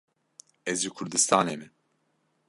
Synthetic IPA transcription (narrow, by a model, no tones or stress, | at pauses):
ɛzikʰuɾd̪ist̪ʰaːnemin